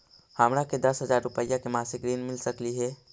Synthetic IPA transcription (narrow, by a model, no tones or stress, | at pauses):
haːmɾaked̪ɐsɦɐzaːɾɾʊpəjakemaːsɪk̚ɡɾiːnmɪlsɐkliɦɛː